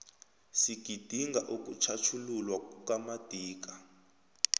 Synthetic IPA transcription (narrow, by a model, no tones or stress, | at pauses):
siɡ̥ʱid̥ʱiŋɡʱaʔuk̬ut͡ʃʰat͡ʃʰululwakukamad̥ʱiːk̬ḁ